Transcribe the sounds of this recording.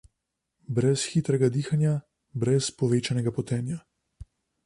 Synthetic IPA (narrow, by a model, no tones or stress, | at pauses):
bɾɛsxit̪ɾɛɡad̪iːxanja | bɾɛspɔʋeːt͡ʃanɛɡapɔt̪ɛːnja